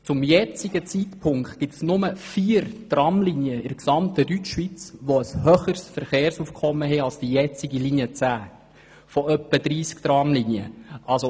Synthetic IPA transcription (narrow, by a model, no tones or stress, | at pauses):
t͡sʊmjɛt͡siɡ̥ət͡sit̪pʰʊŋktɡ̥ɪtsnʊməfiːəɾtrɑmliniəɪɾksɑmt̪ədyt͡ʃʋit͡sʋoəshœχəɾsfəɾχeːɾsuːfkʰχɔmːəɦɛɑlsd̥ijɛt͡siɡiliniət͡sæː | fɔœpːədɾiːskt̪rɑːmlinjə̰ʔɑlso